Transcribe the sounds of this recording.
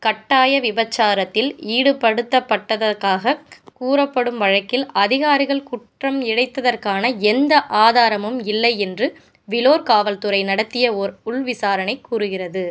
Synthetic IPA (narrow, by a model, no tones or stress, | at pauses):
kɐʈːaːjɐʋɪbɐt͡ʃːaːɾɐt̪ːɪliːɽɯpɐɽɯt̪ːɐpːɐʈːɐðɐkaːɣɐkuːrɐpːɐɽɯmʋɐɻɐkːɪlɐðɪɣaːɾɪɣɐɭkʊʈrɐmɪɽɐɪt̪ːɐðɐrkaːnɐɛnd̪ɐʔaːðaːɾɐmɯmɪlːɐɪɛndrɯ | ʋɪloːɾkaːʋɐlt̪ɯɾɐɪnɐɽɐt̪ːɪjɐɔɾʊɭʋɪsaːɾɐnɐɪkːuːɾɯɣɪrɐðɯ